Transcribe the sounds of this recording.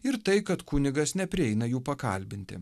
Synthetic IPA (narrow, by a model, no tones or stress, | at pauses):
ɪɾt̪ɐɪkɐt̪kʊnʲɪɡɐsnʲɛpʲɾʲɪɛɪnɐjuːpɐkɐ̰lʲbʲɪnʲt̪ʲɪ̰